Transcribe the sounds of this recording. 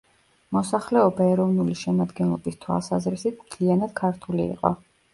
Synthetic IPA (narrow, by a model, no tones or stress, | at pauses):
mɔsaχlɛɔbaɛɾɔvnuliʃɛmad̪ɡɛnlˠɔbist̪ʰwa̰lˠsazɾisit̪ʰmt̪ʰlianad̪̥̚kʰaɾt̪ʰulḭːqʼɔ̰